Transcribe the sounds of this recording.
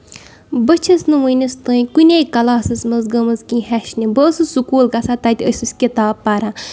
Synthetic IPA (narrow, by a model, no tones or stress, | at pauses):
bət͡ʃʰɐsnɨʋunɐst̪əːĩkunʲekɐlaːsɐsmɐzɡɐmɐzkĩːɦɛʃnʲibəsɨsukuːlkasat̪at̪ʲəsɨsʲkʲit̪aːbpaːɾãː